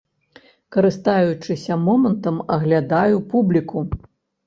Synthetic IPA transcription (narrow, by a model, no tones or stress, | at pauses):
kɐɾɨst̪ajut͡ʂɨsʲɐmɔmɐnt̪ɐmɐɣlʲad̪ajupublʲiku